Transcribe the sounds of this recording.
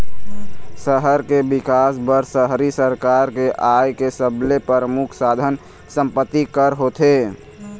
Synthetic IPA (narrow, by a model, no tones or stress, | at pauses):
səɦəɾkebɪkaːsbəɾsəɦɾisəɾkaɾkeʔajkesəblepəɾəmʊkʰsad̪ʱən | sə̃mpət̪ːikəɾɦot̪ʰe